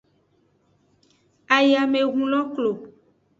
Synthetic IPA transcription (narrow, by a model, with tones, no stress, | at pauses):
a˨ja˨me˨ɣũ˨˦lɔ˦klo˨